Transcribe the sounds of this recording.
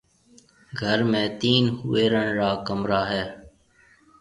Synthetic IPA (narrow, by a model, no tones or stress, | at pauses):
ɡʱəɾmẽːt̪iːnhʊeːɾəɳɾaːkəmɾaːɦɛː